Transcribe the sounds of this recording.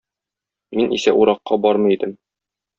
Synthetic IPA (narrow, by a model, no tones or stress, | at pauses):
minʔḭsæʔuɾɑqːɑbɒɾmɤ̆id̪ɘm